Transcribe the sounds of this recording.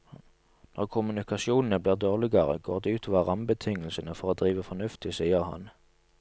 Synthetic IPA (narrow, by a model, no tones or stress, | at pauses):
nɔʁkʰʊmʉnɪkɑsɪuːnn̩əbliːʁd̪oːʁlɪɡɑʁə̰ɡoːʁd̪ɛːʉːt̪ʰɔʋɑʁɑmbət̪ʰɪŋːəlsənəfɔʁoːd̪ʁiːʋəfɔnʉft̪ɪsiːəʁhɑ̰n